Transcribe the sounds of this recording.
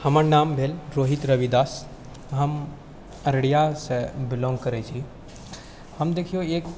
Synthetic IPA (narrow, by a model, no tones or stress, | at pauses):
hɐmaːɾnaːmbʱeːlɾoːɦit̪ɾɐʋid̪aːs | ɦɐm | ɐɾɽijasebɪlɔ̃ːŋɡ̚kɐɾet͡ʃʰi | hɐmd̪eːkʰijoeːk